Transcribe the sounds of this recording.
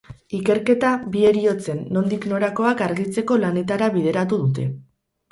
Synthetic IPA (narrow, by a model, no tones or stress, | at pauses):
ike̞ɾke̞t̪aβie̞ɾio̞t͡se̞nːo̞nd̪ikno̞ɾako̞akaɾɣit͡se̞ko̞lane̞t̪aɾaβiðe̞ɾat̪uðut̪e̞